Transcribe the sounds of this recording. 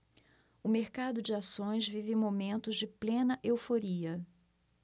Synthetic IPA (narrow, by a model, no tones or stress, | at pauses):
ʊmeɾkad̪ʊd͡ʒɪasõj̃zvivẽmomẽnt̪ʊzd͡ʒɪplẽnɐʔewfoɾiɐ